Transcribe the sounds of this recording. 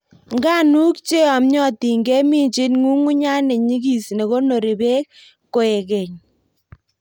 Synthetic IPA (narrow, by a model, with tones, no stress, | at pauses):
ŋɡa˦nu˦kt͡ʃe˦a˨mɲɔ˦ti˨ŋɡɛ˦mi˦ɲt͡ʃɪ˦nŋu˦ŋu˦ɲa˦ne˨ɲi˦ɡi˨sne˨ɣo˦no˨ɾi˨be˦k̚ | kːo˨e˨ke˨ɲ